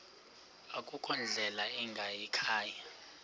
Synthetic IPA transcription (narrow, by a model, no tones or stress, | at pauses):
akʼukʰʼɔnd͡ɮʱɛlaɛŋɡʱajɛkʰaːja